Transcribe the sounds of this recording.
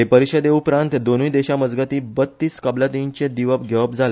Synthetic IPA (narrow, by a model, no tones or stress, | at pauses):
ɦepəɾiɕəd̪eupɾãnt̪d̪onuid̪eɕaməd͡zɡat̪iːbət̪ːiːskəblat̪iɲt͡ɕẽd̪iʋəp̚ɡʱeʋəp̚d͡zʱale